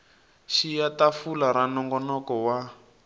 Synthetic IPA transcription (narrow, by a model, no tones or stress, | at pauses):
ʃijatafulaɾanɔŋɡɔnɔkɔwa